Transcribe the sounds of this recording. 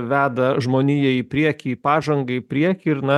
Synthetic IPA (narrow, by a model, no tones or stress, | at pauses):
ʋʲæːd̪ɐʒmoːnʲiːjɛiːpʲɾʲiɛkʲiːpɑːʒɐŋɡɐipʲɾʲiɛkʲːɪɾnɐ